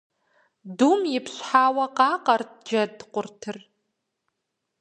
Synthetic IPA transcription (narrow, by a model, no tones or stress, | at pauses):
dumjɪpʰɕʷħaːwaqʼaqʼart̚ʰd͡ʒɐdqʷʼʊrtʰɨr